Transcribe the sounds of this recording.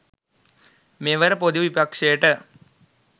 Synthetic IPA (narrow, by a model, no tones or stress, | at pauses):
meʋɐɾpod̪uʋipɐkʂeːʈə